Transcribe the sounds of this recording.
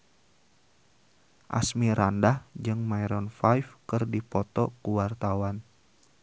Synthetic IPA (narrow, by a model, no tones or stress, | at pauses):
ʔa̰smiɾandahd͡ʒɨŋmaiɾɔnfajfkɨrdipɔt̪ɔkuwart̪awan